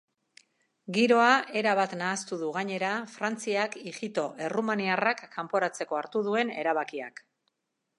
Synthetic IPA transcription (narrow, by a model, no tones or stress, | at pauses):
ɡiɾo̞aʔe̞ɾaβat̪naːst̪uðuɣ̞aɲe̞ɾafɾant͡siakixit̪o̞ʔe̞rumaniarakːampo̞ɾat͡se̞ko̞aɾt̪uðue̞ne̞ɾaβ̞akia̰k